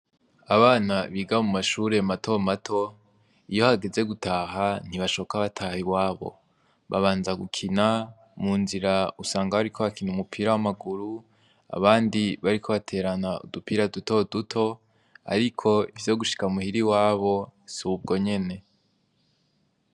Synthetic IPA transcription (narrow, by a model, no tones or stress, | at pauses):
aβaːnaβiːɡamumaʃuːɾe̞matʰo̞matʰo̞ | ijo̞haɡe̞ze̞ɡutʰaːɦan̥iβaʃo̞okaβatʰahiβwaːβo̞̰ | βaβaːnzaɡukʰina | muːnziɾausaːŋɡaβaɾikʰo̞βakʰinumupʰiːɾawamaɡuɾu | a̰βaːndiβaɾikʰo̞βatʰe̞ːɾanaṵdupiːɾaduto̞dutʰo̞ | a̰ɾikʰo̞ivjo̞ɡuʃi̥kamuhiɾiwaːβo̞suub̚ɡo̞ɲe̞ne̞